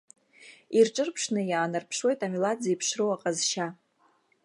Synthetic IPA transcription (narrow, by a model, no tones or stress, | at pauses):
irʈ͡ʂʼɨrpʰʂnɨjaːnɨrpʰʂwe̞jtamilad͡zaipʰʂrɨwaqʼazʃa